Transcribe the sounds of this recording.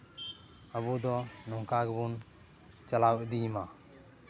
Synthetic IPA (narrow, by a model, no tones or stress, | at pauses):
abudɔnɔŋkʰaɡbun | t͡ʃalawedima